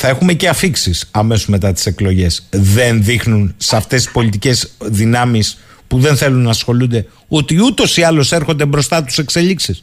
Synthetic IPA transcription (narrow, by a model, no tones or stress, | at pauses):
θɐe̞xume̞ce̞ɐfiksisɐme̞sozme̞t̪ɐt̪i̥se̞klo̞ʝe̞sðe̞nðixnunseɐft̪e̞si̥spo̞lit̪ice̞zðinɐmis | puðe̞nθe̞lunːɐːsxo̞lund̪e̞ | ot̪iut̪o̞siɐlo̞se̞ɾxo̞nd̪e̞bɾo̞st̪ɐt̪u̥se̞kse̞ʎiksis